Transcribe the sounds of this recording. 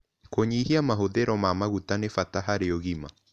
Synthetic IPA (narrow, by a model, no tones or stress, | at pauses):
koɲihiamaɦoðeɾɔmamaɣutanefataɦaɾeoɣima